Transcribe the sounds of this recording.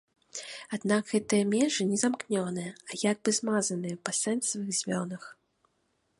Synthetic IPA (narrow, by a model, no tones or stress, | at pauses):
ad̪naɡɣɛt̪ɨjɐmʲɛʐɨnʲɛzamknʲɔnɨjɛɐjaɡ̚bɨzmazɐnɨjɐpɐsɛnsvɨɣzʲmʲɔnɐx